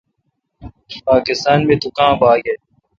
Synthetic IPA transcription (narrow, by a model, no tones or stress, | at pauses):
paːkɪst̪aːnmẽːt̪ukãːbaːɡɐ